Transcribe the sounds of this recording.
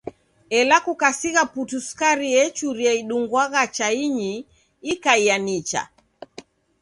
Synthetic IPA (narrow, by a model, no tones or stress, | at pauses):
ɛlakukasiɣaputuskaɾiɛt͡ʃuɾiɛiɗuŋɡwaɣat͡ʃaiɲiː | kaianit͡ʃa̰